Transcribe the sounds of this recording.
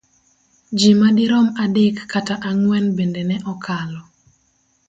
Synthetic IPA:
d͡ʒimadɪɾɔmadekːataʔaŋwɛnbendenɛʔɔkʰalɔ

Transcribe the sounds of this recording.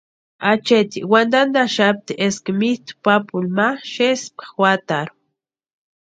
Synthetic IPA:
at͡ʃet̪iwand̪and̪aʃap̚t̪iʔeskemit̪u̥papulmaʃespḁwat̪aɾu

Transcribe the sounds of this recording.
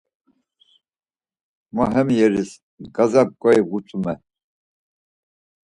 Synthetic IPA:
maɦɛmjɛɾis | ɡazap̚kʼɔivɡut͡sʼumɛ

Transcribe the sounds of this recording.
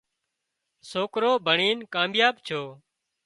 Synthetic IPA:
soːkɾoːbʱəɳiːnkãːmjaːbt͡ʃʰoː

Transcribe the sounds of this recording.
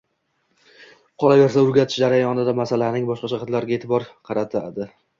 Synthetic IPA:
qʰɒlˠave̞ɾsaʊɾɡʲat̪ʰɪ̥ʃd͡ʒaɾajɒnɪd̪amasalanɪŋbɒʃqɑʃaχɑt̪laɾɪɡʲaet̪ʰɪbɒɾqʰɑɾat̪ʰad̪ɪ

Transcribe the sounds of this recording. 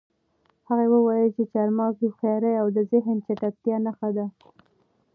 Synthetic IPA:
haɣawəwɑjəlt͡ʃet͡ʃɑɾmɑkixjɑɾəjawd̪əzɪɦnt͡ʃaʈak̚t̪jɑnaxad̪a

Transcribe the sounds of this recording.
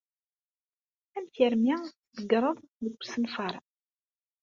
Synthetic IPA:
æmθiɾmi | ðəɡɾˤəðˤðəɡʷːsənfɑɾˤ

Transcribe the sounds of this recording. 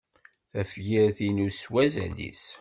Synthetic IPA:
θæfʝiɾθinuswæzæ̰lḭs

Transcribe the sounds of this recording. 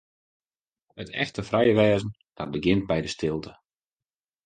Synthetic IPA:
ətʰɛ̰xtəfrɛjəʋɛːzən̩ | d̥ɔt̚bəɡɪnt̚bɛjdəstɪlˠtʰə

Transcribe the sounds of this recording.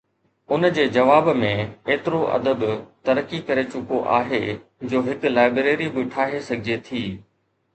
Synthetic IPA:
ʊnd͡ʑeːd͡ʑɐʋaːbmẽeːt̪ɪɾoʔɐ̰d̪əbt̪ɐɾəkikɐɾet͡ɕʊkoʔa̰ːɦed͡ʑoːɦɪklaːɪbɾeːɾibɪʈʰaːɦesɐɡʱɪd͡ʑet̪ʰiː

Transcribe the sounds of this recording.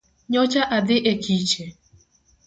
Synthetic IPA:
ɲɔt͡ʃaʔadɪʔekʰit͡ʃe

